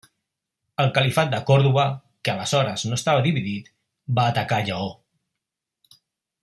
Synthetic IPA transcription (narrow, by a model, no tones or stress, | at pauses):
əlˠkəlifat̪̚d̪əkɔɾðuβə | kəələzɔɾəznoəst̪aβ̞əðiβiðit̪ | baːt̪əkaʎəo